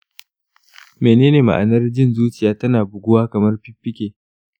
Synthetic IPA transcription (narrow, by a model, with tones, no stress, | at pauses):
meː˨neː˦neː˨ma̰˨ʔa˨nɐ˦rd͡ʒɪ˦˨nzuː˦t͡ʃɪ˨jaː˦tɐ˦naː˨bʊ˨ɡʷʊ˦waː˦kɐ˨mɐ˦rɸɪ˦ɸːɪ˦kʲeː˨